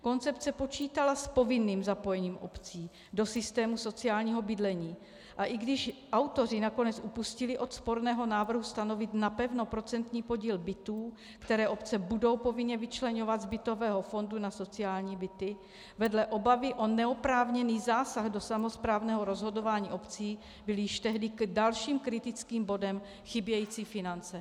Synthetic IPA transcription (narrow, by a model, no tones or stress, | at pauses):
ko̞nt͡sɛpt͡sɛpo̞t͡ʃiːt̪alaspo̞vɪnːiːmzapo̞jɛɲiːmʔo̞̰pt͡siː | do̞sɪst̪ɛːmuso̞t͡siaːlɲiːɦo̞bɪdlɛɲiː | ʔaʔɪɡdɪʃʔawt̪o̞r̝ɪnakonɛt͡sʔupuscɪlɪʔo̞t̪spo̞ɾnɛːɦo̞naːvr̩ɦust̪ano̞vɪt̪napɛvno̞pɾo̞t͡sɛnt̪ɲiːpo̞ɟiːlbɪt̪uː | kt̪ɛɾɛːʔo̞pt͡sɛbudo̞wpo̞vɪnɲɛvɪt͡ʃlɛɲo̞vad̪zbɪt̪o̞vɛːɦo̞fo̞ndunaso̞t͡siaːlɲiːbɪt̪ɪ | vɛdlɛʔo̞bavɪʔo̞nɛopɾaːvɲɛniːzaːsaɣdo̞samospɾaːvnɛːɦo̞ɾo̞zɦo̞do̞vaːɲiːʔo̞pt͡siː | bɪljɪʃt̪ɛɦdɪkdalʃiːmkɾɪt̪ɪt͡skiːmbo̞dɛm | xɪbjɛjiːt͡siːfɪnant͡sɛ